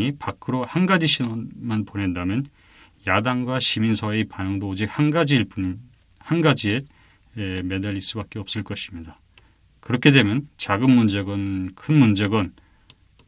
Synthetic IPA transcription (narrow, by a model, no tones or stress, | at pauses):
ipakʰɯɾohanɡad͡ʑiɕʰinʌmanpone̞ndamjʌn | jadaŋɡwaɕʰiminsʰʌe̞panʌŋdoːd͡ʑik̚hanɡad͡ʑiɭp | hanɡad͡ʑie | me̞daʎis͈ɯbak͈e̞ʌp̚s͈ɯɭk͈ʌɕʰimɲida | kɯɾʌkʰe̞dwe̞mjʌnt͡ɕaɡɯnmund͡ʑe̞ɡʌnkʰɯnmund͡ʑe̞ɡʌn